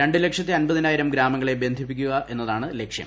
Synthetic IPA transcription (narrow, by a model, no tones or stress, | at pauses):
ɾe̞ɳɖɨle̞kʂjɐt̪ːiɐnbɐðinaːjiɾɐmɡɾaːmɐŋːɐɭebje̞nd̪ʱipːikʲːuɣɐʔe̞nːɐðaːɳɨle̞kʂjɐ̰m